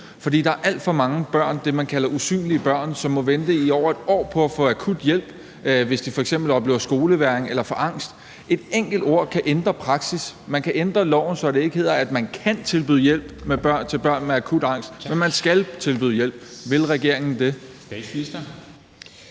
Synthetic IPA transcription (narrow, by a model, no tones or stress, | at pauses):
fɒd̥ḭːd̥ɑ̈æɐʔæl̰d̥fɒ̽mɑ̈ŋəb̥ɶɐ̰nd̥e̝mænkʰælɐʔusy̰ːnliəb̥ɶɐ̰nsɒ̽mːɔ̽ʋend̥əiɒʊ̰ɐed̥ɒ̰ːpʰɒ̽æfɔ̽ækʰud̥jel̰b̥ | ʋe̝sd̥ifɒ̽eɡ̥sem̰b̥l̩ɒ̽b̥le̝ːʊɐsɡ̥o̝ːləʋæɐeŋelɐfɒ̽ʔɑ̈ŋ̰sd̥ | ʔe̝d̥eŋ̰ɡ̥l̩d̥o̝ɐ̰kʰæʔend̥ʁɐpʰʁɑ̈ɡ̥sismænkʰæʔend̥ʁɐlɒʊ̰n̩sɒ̽d̥e̝e̝ɡ̥əe̝ð̰ˠɐæd̥mænkʰænt͡sʰe̝lb̥yðˠjel̰b̥meb̥ɶɐ̰nt͡sʰe̝lb̥ɶɐ̰nmeækʰud̥ɑ̈ŋ̰sd̥menmænsɡ̥ælt͡sʰe̝lb̥y̰ːð̩ˠjel̰b̥ʋe̝lʁɛɡ̥e̝ɐe̝ŋn̩d̥e̝̥ | is